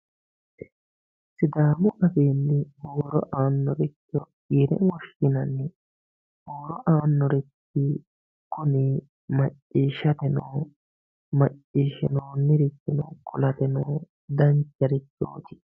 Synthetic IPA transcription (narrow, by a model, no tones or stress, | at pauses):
sɪd̪aːmʊʔɐfeːnːɪhoːɾɔ̰ʔaːnːɔɾɛtːɔ | iɾɛ̰wɔʃɪnɐnːɛ | hoːɾɔʔaːnːɔɾɛt̪ːɪ | kʊniː | mɐt͡ʃʼːiːʃɐt̪ɛnoː | mɐt͡ʃʼːiːʃɪnoːnɪɾɪt̪ːɪnɔkʰʊlɐt̪ɛnɔː | d̪ɐnt͡ʃːɐɾɪt̪ːo̰ːt̪ɪ̥